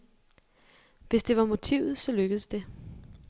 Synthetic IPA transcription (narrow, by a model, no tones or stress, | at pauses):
ʋe̝sd̥e̝ʋɑ̈mo̝t͡sʰiʊ̰ð̩ˠsɒ̽løɡ̥əð̩ˠsd̥e̝